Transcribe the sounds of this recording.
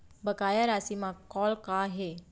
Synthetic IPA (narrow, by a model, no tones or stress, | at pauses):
bəkaːjaɾaːsimãkɔːlkaɦe